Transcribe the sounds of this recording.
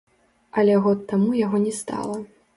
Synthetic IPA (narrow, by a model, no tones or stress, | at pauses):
ɐlʲɛɣɔt̪ːamujaɣɔnʲɛst̪a̰lˠɐ